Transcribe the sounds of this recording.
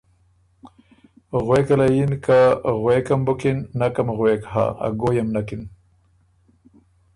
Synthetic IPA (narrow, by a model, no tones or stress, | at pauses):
ɣwekalajinkaɣwekɐmbukinːakamɣwekha̰a̰ɡojamnakin